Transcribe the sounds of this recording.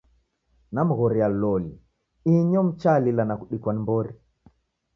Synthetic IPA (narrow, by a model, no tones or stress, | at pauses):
nam̩ɣɔɾialɔli | iɲɔm̩t͡ʃalilanakuɗikwanimbɔɾi